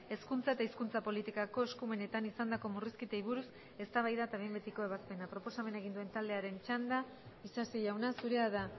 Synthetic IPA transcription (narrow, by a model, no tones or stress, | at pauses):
e̞skunt͡sae̞t̪aiskunt͡sapo̞lit̪ikako̞eskume̞ne̞t̪anisand̪ako̞muriskit̪ejβuɾus | e̞st̪aβajðat̪aβe̞jmbe̞t̪iko̞e̞βaspe̞napɾo̞po̞same̞nae̞ɣ̞ind̪ue̞nt̪ald̪e̞aɾe̞nt͡ʃand̪a | isasiʝawnasuɾe̞aða